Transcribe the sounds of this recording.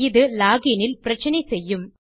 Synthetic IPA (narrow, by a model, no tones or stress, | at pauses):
ɪðɯlaːɡinɪlpɪɾɐt͡ʃːɐnɐɪsɛjːɯm